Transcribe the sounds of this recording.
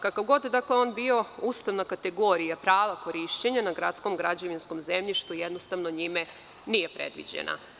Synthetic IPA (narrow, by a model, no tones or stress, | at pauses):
kakaʋɡo̞d̪d̪akleo̞nbio̞uːst̪aʋnakat̪eɡo̞ːɾijapɾaːʋako̞ɾiʃt͡ɕeɲanaɡɾat̪sko̞mɡɾad͡ʑoʋinskomzemʎiʃt̪ujed̪nost̪aʋno̞ɲime | nije̞pɾḛd̪ʋḭd͡ʑḛna̰